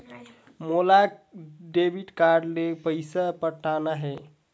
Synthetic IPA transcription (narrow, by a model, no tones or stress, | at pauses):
molaɖebʱiɖkaɾɖlepəjsapəʈʰːanaɦe